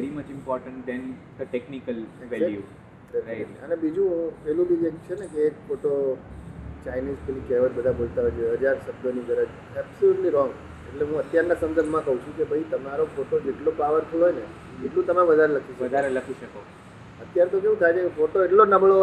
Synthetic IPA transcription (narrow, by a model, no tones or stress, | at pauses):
ʋɛɾimət͡ʃɪ̃mpɔɾʈə̃ɳʈ̚d̪ɛ̃nd̪əʈeknikəlʋɛljṵ | eaɪ̰ənebid͡ʒũpɛlũbid͡ʒekt͡ʃʰenekeːkfoʈo | t͡ʃainizfelikɛʋət͡ʃbəd̪ʱabolt̪aɦod͡ʒʰeɦəd͡ʒaɾsəbdoniɡəɾət͡ʃ | ɛbsoluʈliɾɔ̃ŋɡ | eʈleɦũət̪jaɾnasə̃nd̪əɾbʱmãkəɦũt͡ʃʰũkebʱəit̪əmaɾofoʈod͡ʒeʈlopaʋəɾt̪ʰəjoɦojne | eʈlũt̪əmẽʋəd̪ʱaɾeləkʰiʃəʋəd̪ʱaɾeləkʰiʃəko | ət̪jaɾet̪okeɦũt̪ʰajt͡ʃekefoʈoeʈlonəbəɭo